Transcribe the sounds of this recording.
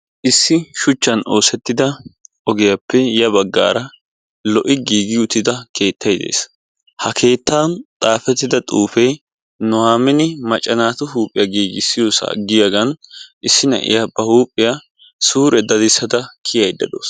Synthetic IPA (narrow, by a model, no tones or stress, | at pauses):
ʔɪsːɪʃʊt͡ʃːɐno̞ːsɛt̪ːɪd̪ɐʔɔɡɛjɐpʰːɛjɐbɐɡːa̰ːɾɐ | lɔʔɪɡiːɡɪʊt̪ːɪd̪ɐkʰe̞ːt̪ːɐjd̪e̞̰ːs | hɐkʰe̞ːt̪ːaːnt̪ʼaːfɛt̪ːɪd̪ɐt̪ʼuːfe | nʊwaːmɪnɪmɐt͡ʃʼːɐnaːt̪ʊɦuːpʼːɪjɐɡiːɡɪsːɪjoːsa̰ɡɪjɐɡɐnʔɪsːɪnɐ̰ʔɪ̰jɐbɐhuːpʼːɪja | suːɾɛd̪ɐd̪ɪsːɐd̪ɐkʰɪjɐjd̪ɐd̪o̰ːs